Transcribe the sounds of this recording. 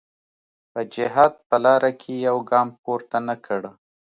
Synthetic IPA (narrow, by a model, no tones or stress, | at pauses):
pəd͡ʒɪɦɑd̪̚pəlɑɾakʰejawɡɑmp̚oɾt̪anakʰəɽə